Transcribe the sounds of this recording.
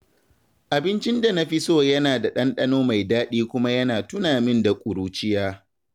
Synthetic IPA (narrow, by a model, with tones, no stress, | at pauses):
ʔa˨bɪ˦nt͡ʃɪ˦nda˨nɐ˦ɸi˦soː˦˨jɐ˦naː˨da˨ɗɐ˦nɗɐ˦noː˦ma˨jdaː˦ɗiː˦kʷʊ˦ma˦jɐ˦naː˨tʊ˦naː˨mɪ˦nda˨kʷʼʊ˨ɽuː˦t͡ʃɪ˦jaː˦